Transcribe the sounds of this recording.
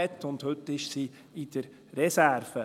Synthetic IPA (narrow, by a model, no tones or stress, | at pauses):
ɛtːʊndhʏtːɪʃsiː | ɪd̥əɾː | ɛsæɾfə